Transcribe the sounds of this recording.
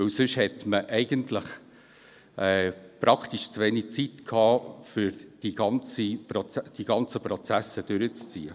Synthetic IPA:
vɵwsʏʃhɛtməʔɛɪɡəntləχ | ɛːpɾɑkχtiʃt͡sʋenik̚t͡sitkʰhɑːfʏɾd̥iɡ̥ɑnt͡sipɾɔt͡sd̥iɡ̥ɑnt͡səpɾɔt͡sæsəd̥ʏɾət͡st͡siːə

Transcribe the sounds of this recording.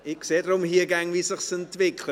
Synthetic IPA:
ɪkseːdɾʊmhiəɡaŋvisɪχsɛntv̥ɪkʰlə

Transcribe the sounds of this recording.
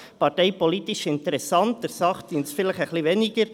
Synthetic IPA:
pɑɾteɪpɔlitiʃɪntɛɾɛsɑntːəɾsɑχtinsfɪlɪχəχliveːniɡəɾ

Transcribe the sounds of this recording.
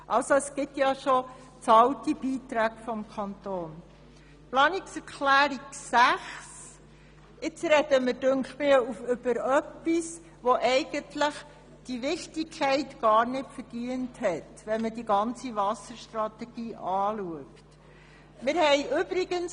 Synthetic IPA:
ʔɑlsoəsɡ̥ɪtjɑʃo | t͡sɑltib̥iːtɾæːɡ̥fɔmkʰɑntoːn | plɑːnɪksɛɾkʰlæːɾiksæχs | ɪt͡sɾɛd̥əməɾdɵŋkχtmɪufʏb̥əɾœpːis | ʋoʔɛɪɡ̥əntləχ | d̥iʋɪχtɪkʰːɛɪtɡ̥ɑːɾnɪtfəɾd̥iənthɛt | ʋɛnmədiɡɑnt͡sivɑsəɾʃtɾɑtɛɡ̥iːʔɑːluəkt | mɪɾhɛɪʔʏb̥ɾɪɡəns

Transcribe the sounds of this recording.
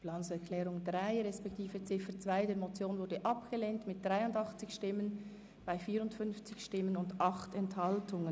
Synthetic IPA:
plansɛʁkʰlɛːʁʊŋdʁaɪʁɛspɛk̚tʰiːfət͡sɪfət͡sv̥aɪdeːɐmot͡sjoːnvʊɾdəʔɑpɡ̥əleːntmɪt̚d̥ʁaɪʊndɑχt͡sɪçʃtɪmən | b̥aɪfiːɾʊntfʏnft͡sɪçʃtɪmənʊndʔɑχtɛnthɑltʊŋən

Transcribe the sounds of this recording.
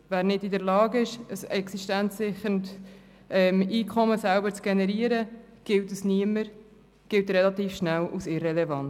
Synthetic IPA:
væːɾnɪdidɛɾlɑːɡɪʃəsɛksiʃtænt͡sːɪχəɾnt | ʔɛmiːkʰɔməsælbət͡sɡ̥ɛnɛɾiəɾə | ɡ̥ɪltusniəməɾ | ɡ̥ɪltɾɛlɑt̪iːfʃnælʔusɪrɛlɛvɑn

